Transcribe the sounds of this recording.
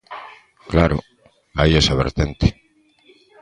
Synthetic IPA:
klaɾʊ̰ | ajesaβ̞ḛɾt̪ent̪e̥

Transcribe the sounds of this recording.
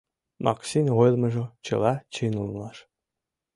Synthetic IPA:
mʔɑ̰ksinʲʁojlˠmɤ̆ʒot͡ɕɤ̰̆lˠɑt͡ɕinulˠnɑʃ

